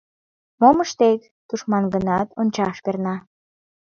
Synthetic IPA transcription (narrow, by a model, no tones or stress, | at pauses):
moməʃt̪ek | t̪uʃmɑnɡənɑt̪onʲt͡ɕɑʃkernɑ